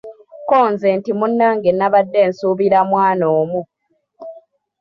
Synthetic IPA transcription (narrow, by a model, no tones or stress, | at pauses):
koːnzeːntimunːaːŋɡenːaβadːe̞ːnsuːβiɾamwaːnoːmu